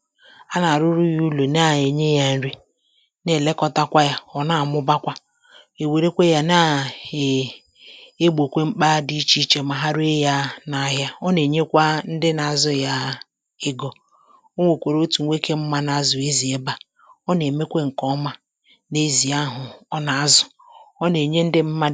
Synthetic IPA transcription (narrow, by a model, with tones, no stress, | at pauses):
a˦na˨ɾʊ˦ɾu˦ju˦lo˨na˦˨e˨ɲe˦ja˦n̩˦ɾi˦ | ne˨le˦kɔ˦ta˦kʷa˦ja˦ɔ˨na˦˨mʊ˦ba˦kʷa˦ | e˨we˨ɾe˦kʷe˦ja˨na˦˨ | e˦ɡ͡bo˨kʷe˦ŋ͡m̩˦k͡pa˦di˦t͡ʃi˦t͡ʃe˨ma˨ɦa˦ɾe˦ja˦na˨ɦja˦ɔ˦ne˨ɲe˦kʷa˦n̩˦dɪ˦na˨a˨zʊ˦ja˦ | ɪ˦ɡɔ˨ | o˦ŋʷo˨kʷe˨ɾo˦tu˨ŋʷ˦e˦ke˦m̩˦ma˦na˨˦zʊ˨e˦zi˨e˦ba˨ | ɔ˦ne˨me˦kʷe˦ŋ̩˨kɔ˦ma˦ | ne˦zi˨a˦ɦʊ˨ɔ˦na˨a˨˦zʊ˨ | ɔ˦ne˨ɲe˦n̩˦dɪ˦m̩˦ma˦